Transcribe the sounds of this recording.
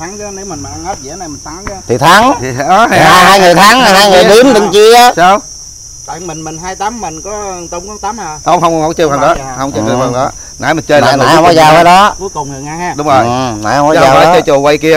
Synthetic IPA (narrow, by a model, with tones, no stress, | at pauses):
t̪ʰa˨˦ŋkə˨˦ne˨˦wmï˨˩ŋ̟mi˨˩nʔa˧ŋəː˦˥t̚zḭ˧˩ə˦na˨˩jmï˨˩n̟t̪ʰa˨˦ŋkə˨˦t̪ʰi˨˩t̪ʰa˨˦ŋʰi˨˩˨ɔ˨˦ha˧˨aː˧ɦaː˧jŋɨ˨˩əjt̪ʰaː˨˦ŋ˨haː˧jŋɨ˨˩ɗi˨˦nɗɨ˨˧˩ŋt͡ɕi˧əː˦saː˧w | t̪a̰˧˨jmi˨˩ŋmi˨˩ŋ̟ɦaː˧jt̪aː˨˦mːï˨˩ŋ̟kɔ˨˦t̪o˨˦wŋ͡mkɔ˨˦t̪aː˨˦mhaː˧t̪o˧˦wŋ͡mhə˧wŋ͡mwhɔ˧˦t͡ɕi˧whaː˨˩ŋɗɔ˨˦hə˧wŋ͡mt͡ɕəː˧˨˦ŋɨ˨˩whə˨˩ŋɗɔ˨˦ | naː˨˦jmï˨˩t͡ɕəː˧jla̰ː˨˦˧ɔ˨˦zaː˧˩aː˨˦ɗɔ˨˦ku˨˦jkʊ˨˩ŋ͡mnɨ˨˩ŋʔa˧jhaː˧ɗʊ˨˦ŋ͡mzo˨˩j | wəː˨˦t͡ɕəː˧jt͡ɕu˨˩kwə˧jki˧ə